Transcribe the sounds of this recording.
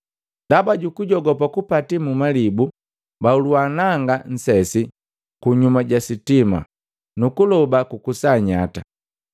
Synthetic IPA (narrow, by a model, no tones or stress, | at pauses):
ndabaɟukuɟɔɡɔpakupatimumalibu | bauluanaŋɡan̩sɛsi | kuɲumaɟasitima̰ | nukulɔbakukusaɲata